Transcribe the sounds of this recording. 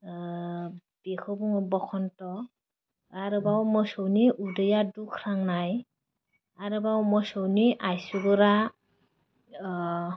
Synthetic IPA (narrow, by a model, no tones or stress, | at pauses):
b̥ekʰɔbuŋɔbɔkʰɔntɔ | aɾɯbawmɔsɔwniʔudɯjadukʰɾaŋnaj | aɾɯbawmɔsɔwniʔajsuɡɔɾa